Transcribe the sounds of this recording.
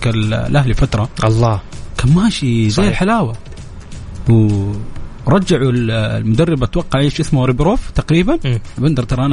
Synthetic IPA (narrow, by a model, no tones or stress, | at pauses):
kalʔaɦlfat̪ɾˤɑʔɑlˤːɑːkammaːʃizaːlħalaːwa | w | ɾˤɑd͡ʒːaʕullmʊd̪arˤːɪbat̪wɑqːɑʕʕiːʃʔɪsmaɾˤɪbɾoːft̪aqɾiːbanbɪnd̪ɑɾˤt̪ɑɾˤɑʔan